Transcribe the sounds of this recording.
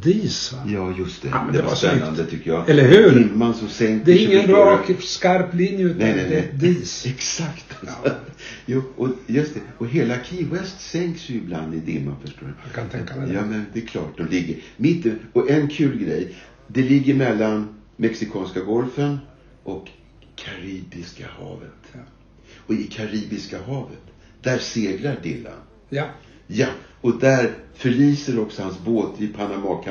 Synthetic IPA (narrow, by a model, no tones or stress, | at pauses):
d̪iːsjɑːjɵst̪ʰɛd̪ɛvaspɛnːa̰nd̪ət̪ʰʏkːəjɑ̰ɛlːəɾhʉɾd̪ɪmːansɔmsɛŋkd̪ɛɾɪŋːənɾɑːkskaɾplɪnjəʉːnɛnɛnɛd̪iːsɛksakt̪sɔjɑːʔɔjɵst̪ɛɔɦeːlakʰiːwɛst̪sɛŋksjɵɪbla̰nd̪ɪd̪ɪmːa̰nfœʂʈo̰ːɾakʰat̪ʰɛŋkːajɑːmɛnd̪ɛkʰlɑ̰ːʈ̚d̪ɔmlɪɡːəɾmɪt̪ːɪɔʔɛnkʰʉ̟ːlɡɾɛj | d̪ɛlɪɡːəɾmɛlːanmɛksɪkʰɑːnskaɡɔlfən | ʔɔkʰː | aɾiːbɪska̰hɑ̰ːvə̰t̪ | ɔɪkʰaɾiːbɪskaɦɑːvət̪ | d̪̥æɾseːɡlaɖɪlːa̰n | ja | ɔd̪æɾfœɭiːsəɾɔksɔhansboːt̪ɪpʰanamɑːkʰa